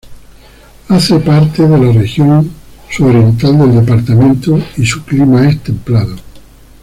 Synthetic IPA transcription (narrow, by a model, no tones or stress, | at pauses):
aθe̞paɾt̪e̞ðe̞lare̞xjõ̞ŋsuoɾje̞nt̪ald̪e̞ld̪e̞paɾt̪amẽnt̪oisuklimae̞st̪ẽ̞mplaðo